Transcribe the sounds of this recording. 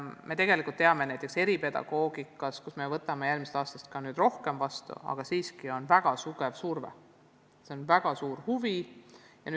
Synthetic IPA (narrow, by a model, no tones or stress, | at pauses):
me̞t̪e̞ɡ̥e̞likult̪ːeɑme̞næjt̪ːˑe̞kse̞ɾipe̞d̪̥ɑ̰ɡ̥o̞ːɡ̥ikːˑɑskusmevɤt̪ːˑɑmejælmise̥t̪ɑːst̪ɑst̪̚kɑnyːd̪̥ro̞hkemvɑst̪ṵɑ̰ɡ̥ɑsiːskio̞nvæɡ̥ɑsuɡ̥e̞vsurvḛ | se̞onvæɡ̥ɑsuːɾhuvi | jɑ̰n